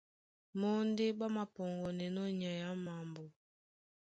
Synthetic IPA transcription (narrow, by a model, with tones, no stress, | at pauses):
mɔ˦n˦de˦ɓa˦ma˨pɔ˨ŋɡɔ˨nɛ˨nɔ˦ɲa˨ja˨˦ma˨mbo˨